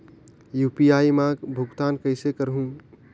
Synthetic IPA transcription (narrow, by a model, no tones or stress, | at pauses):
juːpiaimãkbʱʊɡt̪aːnkəɪsekəɾɦũ